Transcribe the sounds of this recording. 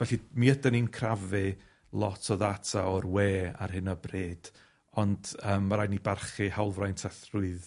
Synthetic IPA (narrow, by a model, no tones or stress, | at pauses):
vɛɬimiədəninkʰravɨ | lˠɔtʰɔðatʰaɔrweːa̰rhɨnɔbreːd̥ | ɔnd̥əːmːaɾajnibarχɨhawlˠvrajntʰɛθrʊɨð